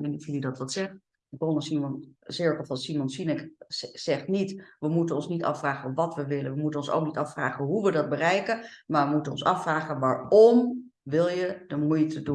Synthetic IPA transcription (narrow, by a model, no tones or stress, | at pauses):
ɛnɪfilədɑtʋɑtsɛχ | bronəsimɔnsɪɹkəlˠfɑsimɔnsinɪksɛχtnitʋəmutənɔnsnitɑ̰fraːχəʋɑtʋəʋɪlənʋəmutənɔnso̰wk̚nitɑfraːχənɦuʋədɑd̚bərɛjkəmaːʋəmutənɔ̰nsɑ̰fraːχənʋaːɹɔm | ʋɪlˠjədəmujtʰədun